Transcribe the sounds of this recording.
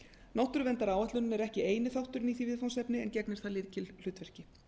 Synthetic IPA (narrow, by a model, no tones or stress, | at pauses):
nawht̪ʏɾvɛnt̪aɾaːwɛt̪lʏnʏmɛɾɛhcɪeːjnɪθawht̪ʏɾɪniθivɪðfawnsɛpnɪɛ̰ncɛknɪɾ̥θalɪːðcɪll̥ʏːt̪vɛr̥cɪ